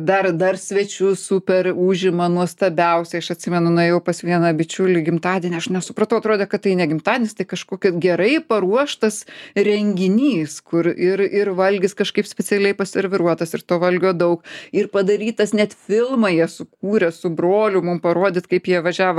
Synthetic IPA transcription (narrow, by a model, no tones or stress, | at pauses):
d̪ɐrd̪ɐrsʲʋʲɛt͡ʃʲʊsuːpʲɛɾuːʒʲɪmɐnuɔst̪ɐbʲɛʊsʲɛɪɐʃɐt̪ʲsʲɪmʲɛnʊnɐjɛʊpɐsʋʲiɛnɐbʲɪt͡ʃʲʊlʲɪɡʲɪmt̪ɑːd̪ʲiɛnʲɪɐʃnʲɛsʊpɾɐt̪ɐʊɐt̪ɾoːd̪ʲeːkɐt̪t̪ːɐɪnʲɛɡʲɪmt̪ɑːdʲɛnʲɪst̪ɐɪkɐʃkoːkʲɛɡʲɛɾɐɪpɐɾuɔʃt̪ɐsɾʲɛŋʲɡʲɪnʲiːskʊɾɪɾɪrʋɐlʲɡʲɪskɐʃkɐɪpsʲpʲɛt͡ssʲɛlʲɛɪpɐsʲɐɾʲʋʲɪɾuɔt̪ɐsɪɾt̪oːʋɐlʲɡʲoːd̪ɐʊkɪrpɐd̪ɐɾʲiːt̪ɐsnʲɛt̪fʲɪlˠmɐjiɛsʊkuːɾʲɛsʊbɾoːlʲʊmʊmpɐɾoɔd̪ʲɪt̪kɐɪpjiɛʋɐʒʲæːʋo